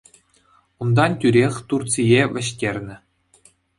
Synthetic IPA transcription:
und̪ɑntʲyɾʲexʲt̪urt͡sijeʋʲɘ̆ɕtʲerʲnʲɘ̆

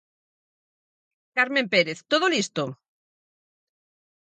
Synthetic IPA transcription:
kaɾmempeɾeθt̪oðolist̪o

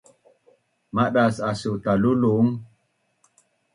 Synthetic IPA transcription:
maɗasasut̪aluluŋ

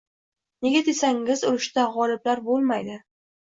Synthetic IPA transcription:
ne̞ɡʲad̪e̞saŋɪzʊɾɪʃt̪aʁɒlɪblaɾbolˠmajd̪ɪ

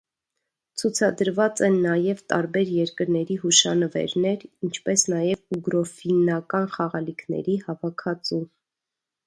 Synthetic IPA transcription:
t͡sʰut͡sʰɑd̪əɾvɑt͡sɛnːɑjɛvt̪ɑɾbɛɾjɛɾkəɾnɛɾiɦuʃɑnəvɛ̰ɾnɛɾint͡ʃʰpɛsnɑjɛvuɡɾɔfinɑkɑnχɑʁɑlikʰnɛ̰ɾihɑvɑkʰɑt͡su

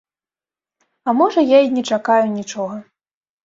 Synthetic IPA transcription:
ɐmɔʐɐjainʲɛt͡ʂakajunʲit͡ʂɔɣɐ

